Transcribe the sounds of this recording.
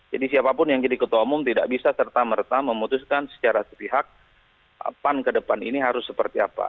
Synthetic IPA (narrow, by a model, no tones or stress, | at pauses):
d͡ʒadisiapapʊnjaŋd͡ʒadikət̪ɔmʊmt̪ida̰ʔbisasərt̪amərt̪aməmut̪ʊskansə̥t͡ʃaɾasə̥piɦak̚ | pankədəpanḭniɦaɾʊsːəpərt̪ia̰pa̰